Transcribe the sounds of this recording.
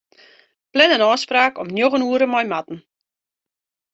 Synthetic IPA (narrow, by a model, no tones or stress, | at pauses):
plɛnənɔːspraːkɔmnjoɣənuəɾəmɔjmatn̩